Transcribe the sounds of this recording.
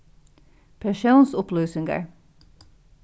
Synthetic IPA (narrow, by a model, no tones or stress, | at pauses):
pʰæʃuːnsʊplʉːsʏŋɡə̰ɹ